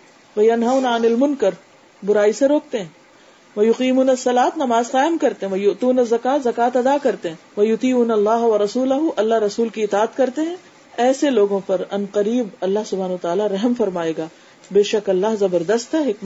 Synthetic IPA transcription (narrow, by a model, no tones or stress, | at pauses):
ʋɐjɐnɦaʊnaɪnɐlmʊnkɐɾ | bʊɾaːiseɾoːk̚t̪eɦɛ̃ː | ʋɐjʊqiːmuːnasːɐlaːt̪nɐmaːzqaːjmkɐɾt̪eɦɛ̃ʋɐjʊt̪uːnɐzːɐkaːt̪zɐkaːt̪ɐd̪akɐɾt̪eɦɛ̃ʋɐjʊt̪iːunalːaːɦʋɐɾɐsuːlɐɦuʔɐlːaɦɾɐsuːlkiɪt̪aːət̪kɐɾt̪eɦɛ̃ | ɛːseloːɡõpɐɾɐnqɐɾiːbɐlːaɦsʊbʱaːnːt̪aːlaɾɐɦmfɐɾmaːeːɡaː | beːʃɐkɐlːaːɦzɐbəɾd̪ɐst̪ɦɛɦɪkm